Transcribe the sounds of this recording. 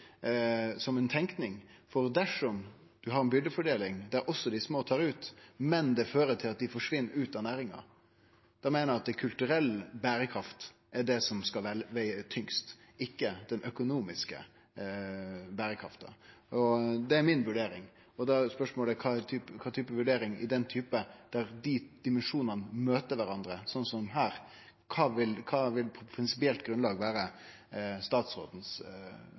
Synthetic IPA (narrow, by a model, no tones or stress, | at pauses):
sɔmɛnt̪ʰɛŋknɪŋfɔɾd̪æʂɔm | d̪̥ʉɦɑɾɛnbʏld̪əfɔɖeːlɪŋd̪æɾʔɔsːɔd̪ɪsmoːt̪ʰɑːɾʉːt̪mɛnd̪ɛføːɾət̪ʰɪlɑt̪̚d̪ɪfɔʂʋɪnːəɾʉːt̪ɑnæːɾɪŋɑ̰ | d̪̥ɑmeːnəɑt̪̚d̪ɛkʰʉlt̪ʉɾɛlːbæːɾəkʰɾɑft̪ | ʔɛɖɛsɔmskɑlʋɛʋæɪt̪ʰʏŋst̪ɪkːəd̪̥ɛnʔœkʊnuːmɪskə̰ | bæːɾəkʰɾɑ̰ft̪əɔd̪ɛːɾmɪnʋʉɖeːɾɪŋ | ɔd̪ɛspœʂmoːlækʰɑt̪ʰyːpkʰɑːt̪ʰyːpəʋʉɖeːɾɪŋɪ̰d̪ɛnt̪ʰyːpəd̪̥æɾd̪id̪̥ɪmɛnʂuːnənəmøːt̪əɾʋæɾɑnd̪ɾəsɔnsɔmɦæːɾ | kʰɑːʋɪlkʰɑːʋɪlpʰɾɪnsɪpɪɛlt̪ɡɾʉnlɑːɡʋæːɾə | st̪ɑːt̪sɾo̰ːd̪n̩s